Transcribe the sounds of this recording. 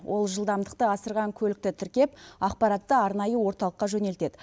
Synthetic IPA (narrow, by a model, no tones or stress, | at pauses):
wʔo̞lˠʒəlˠd̪ɑmd̪əqt̪əɑsəɾʁɑŋkʲʰɵlɪk̚t̪ɪt̪ʰɪɾkʲe̞pɑq̚pɑɾɑt̪ːəɑɾnɑjəwo̞ɾt̪ɑlˠəqːɑʒɵne̞lt̪e̞d̪ɪ